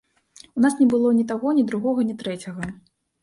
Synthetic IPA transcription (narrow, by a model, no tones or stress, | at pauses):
unasnʲɛbɨlˠɔnʲit̪̬aɣɔnʲid̪ɾuɣɔɣɐnʲit̪ɾɛt͡sʲɐɣɐ